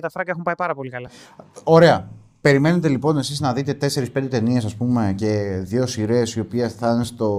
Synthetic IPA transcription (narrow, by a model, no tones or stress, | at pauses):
t̪ɐfɾɐɡɐexumpɐipɐɾɐpo̞likɐlɐo̞ɾe̞ɐ | pe̞ɾime̞ne̞t̪e̞lipo̞ne̞siznɐðit̪e̞t̪e̞se̞ɾispe̞nd̪et̪e̞niesɐspume̞ce̞ðʝo̞siɾe̞sio̞piesθɐnest̪o̞